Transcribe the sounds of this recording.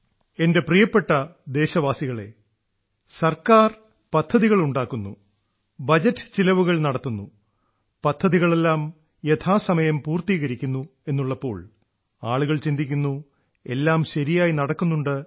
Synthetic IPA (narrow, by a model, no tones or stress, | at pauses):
e̞nde̞prijɐpːe̞ʈːɐd̪e̞ːɕɐʋaːsiɣɐɭe̞̰ | sɐrkaːr | pɐd̪ʱːɐðiɣɐɭuɳɖaːkːunːṵ | bɐd͡ʑɐtːɨ̥t͡ɕilɐʋuɣɐɭnɐɽɐt̪ːunːu | pɐd̪ʱːɐðiɣɐɭe̞lːaːm | je̞t̪ʰaːsɐmɐjɐmpuːrt̪iːɣɐɾikʲːunːue̞nːuɭːɐpːo̞ːɭ | aːɭuɣɐɭt͡ɕind̪ikʲːunːu | e̞lːaːmɕɐɾijaːjinɐɽɐkːunːuɳɖɨ